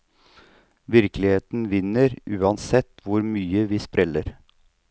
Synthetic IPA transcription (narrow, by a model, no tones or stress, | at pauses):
ʋɪɾklɪheːt̪n̩ʋɪnːəɾʔʉːɑnsɛt̪ːʋʊɾmyːəʋiːspɾɛlːəɾ